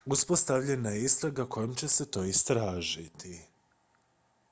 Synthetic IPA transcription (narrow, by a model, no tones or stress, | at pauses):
uspo̞st̪aʋʎenajeist̪ɾaɡakʰo̞jomt͡ɕe̞se̞t̪o̞ːist̪ɾaːʒit̪ʰi